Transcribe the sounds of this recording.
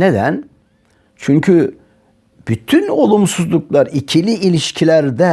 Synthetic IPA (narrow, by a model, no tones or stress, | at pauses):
ned̪æn | t͡ʃʰyɲcʰy | b̥yt̪ʰyno̞lˠumsuzlˠuklˠaɾicʰilʲiilʲiʃcʰilʲæɾd̪ɛ